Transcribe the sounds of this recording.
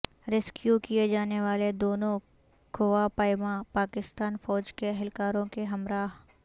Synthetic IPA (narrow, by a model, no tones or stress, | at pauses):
ɾɪskjukied͡ʒaːneʋaːled̪oːnõ | ɡoʋapaːɪmãpaːkɪst̪aːnfɔːd͡ʒkeɐɦɛlkaːɾõkeɦɐmɾaːɦ